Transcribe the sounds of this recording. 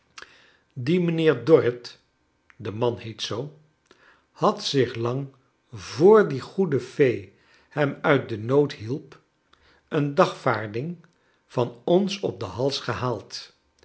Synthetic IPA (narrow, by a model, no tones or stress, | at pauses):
dimənɪːɹdɔɹət | dəmɑnhejtsow | hɑtsɪχlɑŋ | vʊːɹdiχudəfej | hɛmœɥt̚dənowtɦilˠp | əndɑχfaːɹdɪŋ | v̥ɑnɔnsɔp̚dəɦɑlˠsχəɦaːlˠt